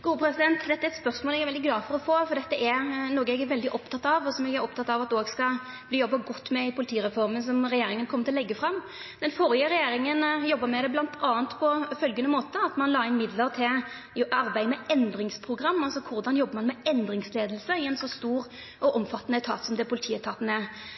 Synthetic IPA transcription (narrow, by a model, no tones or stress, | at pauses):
ɡ̥uːəpʰɾɛsɪd̪ɛnt̪d̪ɛt̪ːəɛɛt̪spœʁsmoːlɛɡɛɾʋɛld̪ɪɡlɑːfɔɾɔfoːfɔɾd̪ɛt̪ːəʔɛɾnoːɡəɛɡæʋɛld̪ɪʔɔpt̪ʰɑt̪ːɑʋɔsɔmɛɡæɾɔp̚t̪ɑt̪ɑʋɑt̪oːɡskɑ | bliːjɔbːɑɡɔt̪ːmɛɪpʰʊlɪt̪ʰiːɾɛfɔɾməns̬ɔmɾɛjeːɾɪŋənkʰɔmːət̪ɪlɔlɛɡːəfɾɑm | d̪̥ɛnfɔɾɪəɾɛjeːɾɪŋənjɔbːəmɛd̪ɛblɑnt̪ʰɑːənt̪pʰɔfœlɡənəmoːt̪əɑt̪mɑnlɑːɪnmɪd̪ləʁt̪ʰɪl | ɑɾbæɪmɛɛnd̪ɾɪŋspʰʁʊɡɾɑmːɑlsɔkʰʊɾd̪ɑnjɔbːmɑnmɛɛnd̪ɾɪŋsleːd̪lsəɪɛnsɔst̪uːɾ | ʔɔʔɔmfɑt̪ːənəɛt̪ʰɑ̰ːt̪sɔmd̪ɛpʰʊlɪt̪ʰiːət̪ʰɑːt̪ənəɛ